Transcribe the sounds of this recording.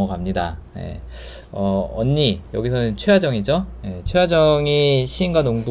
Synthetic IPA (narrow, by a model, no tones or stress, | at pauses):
ʌɡamɲidaje̞̰ | ʌʌ̰ɲːijʌɡisʰʌnɯnt͡ɕʰwewad͡ʑʌŋid͡ʑoje̞t͡ɕʰewad͡ʑʌŋiɕʰiːnɡwanoŋbu